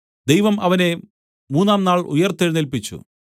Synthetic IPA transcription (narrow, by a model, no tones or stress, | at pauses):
d̪ejʋɐmɐʋɐne̞ | muːnːaːmnaːɭṵjɐrt̪eɻnilpit͡ɕːṵ